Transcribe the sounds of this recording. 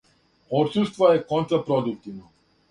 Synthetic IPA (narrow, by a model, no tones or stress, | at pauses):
oɾsust̪vajekont̪ɾapɾod̪uk̚t̪ivno